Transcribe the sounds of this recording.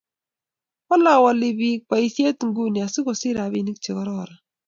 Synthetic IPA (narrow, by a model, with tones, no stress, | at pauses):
wa˦la˨wa˨lɪ˨bi˦k͡pa˨i˨θje˦t̪ŋ̩˦ɡu˦ni˨a˨sɪ˦kɔ˨sɪ˦ɾa˨βi˦˨ni˦kt͡ʃɪ˨ɣɔ˨ɾɔ˦˨ɾa˨